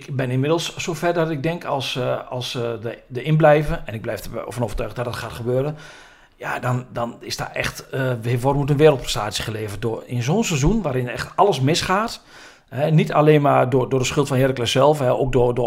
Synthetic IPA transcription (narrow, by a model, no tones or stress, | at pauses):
ɪkbɪnɪnmɪdlˠsːoːfɛrdɔtɪɡ̚dɛŋkʰɔlˠsɑlˠsdədəɪnblɛjvənɛnɪɡ̚blɛjfə̰fɔnoːvərtøːɣdɔtdɔtxaːtxəbøːɾən | jadɔndɔnɪsda̰ːɛ̰xtəʋɪʋorəmut̬ənʋɪːɾəlˠtprɛstaːt͡ssjəχəleːvərt̚dʊrɪnzoːnsɛzunʋaːɾɪnɛxtɔləsmɪsχaːt | hɛnitʰa̰leːnmadʊdʊːdəsxʏlˠtfɔnhɪːɾəklɪsɛlˠfɛo̰k̚dʊdʊ